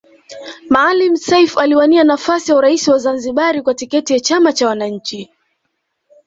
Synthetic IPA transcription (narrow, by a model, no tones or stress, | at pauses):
maːlim̩sɛjfaliwanianafasijauɾaisiwazanziɓaɾikwatikɛtijat͡ʃamat͡ʃawanaɲ̩t͡ʃi